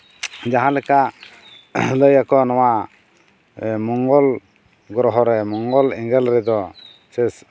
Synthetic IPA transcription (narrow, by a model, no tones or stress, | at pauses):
d͡ʒaɦãlɛka | ləjakɔnɔwa | mɔŋɡɔl | ɡɾɔɦɔɾɛmɔŋɡɔlɛŋɡɛlɾɛd̪ɔ | sɛs